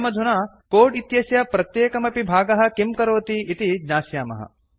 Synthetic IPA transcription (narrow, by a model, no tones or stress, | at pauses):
mɐd̪ʱunaː | koːɖit̪jɐsjɐpɾɐt̪jeːkɐmɐpibʱaːɡɐɦɐ̆kimkɐɾoːt̪iːt̪id͡ʒnaːsjaːmɐ̰ɦɐ̰